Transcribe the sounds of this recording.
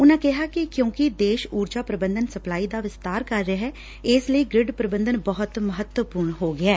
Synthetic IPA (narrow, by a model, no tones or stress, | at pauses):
ʊnãːkɛɦaːkikjõːkid̪eːʃuːɾd͡ʒaːpɾəbə̃nd̪ənsəplaːiːd̪aːʋɪst̪aːɾkəɾːeɦɛː | ɪsləiːɡɾɪɖpɾəbə̃nd̪ənbəɦʊt̪məɦət̪wəpuːɾɳɦoːɡɪɛː